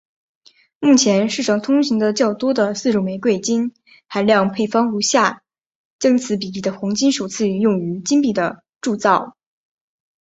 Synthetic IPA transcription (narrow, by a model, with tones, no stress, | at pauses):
mu˥˩t͡ɕʰjɛ˧˥nʂɻ̩˥˩ʈ͡ʂʰɑ˨˩ŋt̪ʰʊ˥ŋɕi˧˥ŋd̪ə˧t͡ɕjɑ˥˩ʊt̪wɔ˥d̪ə˨sɹ̩˥˧ʈ͡ʂu˨˩ʊme˧˥ɪkwe˥˩ɪt͡ɕi˥n | xa˧˥ɪljɑ˥˧ŋpʰe˥˩ɪfɑ˥ŋu˧˥ɕja˥˩ | ʈ͡ʂɤ˥ŋt͡sʰɹ̩˧˥p̬i˨˩li˥˩d̪ə˩xɑ˧˥ŋt͡ɕi˥nʂo˨˩t͡sʰɹ̩˥˧jʊ˥˩ŋy˧˥t͡ɕi˥npi˥˩d̪ə̰˩ | ʈ͡ʂu˥˧t͡sɑ˥˩ʊ